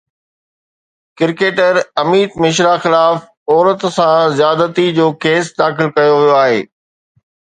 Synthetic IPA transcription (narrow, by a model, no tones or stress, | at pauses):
kɪɾkeːʈəɾɐmiːt̪mɪʃ̬ɾaxɪlaːf | ɔːɾət̪sãzɪjaːd̪ət̪id͡ʑoːkeːsd̪aːxɪlkɐjoʋijoaːɦḛː